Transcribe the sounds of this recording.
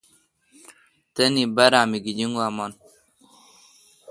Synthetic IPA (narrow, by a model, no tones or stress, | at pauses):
t̪ɐnibaɾaːmiɡid͡ʑiŋɡuaman